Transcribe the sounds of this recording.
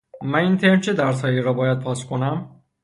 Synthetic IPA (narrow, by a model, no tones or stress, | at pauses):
mæniːnt̪ʰe̞ɾnt͡ʃʰed̪æɾshɒːjiɾɒːbɒːjæd̪̚pʰɒːskʰo̞næm